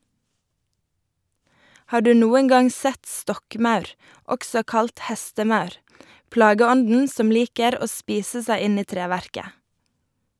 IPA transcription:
ˈhɑːʁ ˈdʉː ˈnuːəŋ ˈɡɑŋ ˈsɛt ˈstɔkˌmɑʉɾ ˈɔksɔ ˈkɑlt ˈhɛstəˌmɑʉɾ ˈplɑːɡəˌɔndn̩ ˈsɔm ˈliːkəɾ ˈoː ˈspiːsə ˈsæɪ ˈɪn ˈiː ˈtɾeːˌʋæɾkə

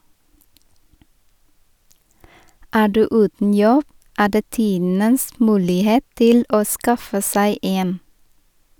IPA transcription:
ˈæː ˈɖʉː ˈʉːtn̩ ˈjɔb ˈæː ˈdeː ˈtiːdn̩əs ˈmʉːlɪˌheːt ˈtɪl ˈoː ˈskɑfə ˈsæɪ ˈeːn

